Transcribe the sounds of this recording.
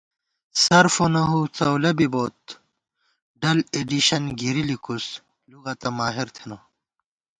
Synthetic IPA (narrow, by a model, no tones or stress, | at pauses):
sɐɾfonɐɦut͡sɐwlɐbiboːt̪̚ | ɖɐleɖiɕɐnɡiɾilikus | luɣɐt̪ɐmaːɦiɾt̪ʰeno